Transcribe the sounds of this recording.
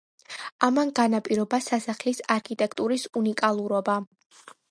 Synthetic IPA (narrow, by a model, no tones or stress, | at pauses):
amanɡanapʼiɾɔbasasaχlisaɾkʰit̪ʼɛkʰt̪ʼuɾisunikʼalˠuɾɔba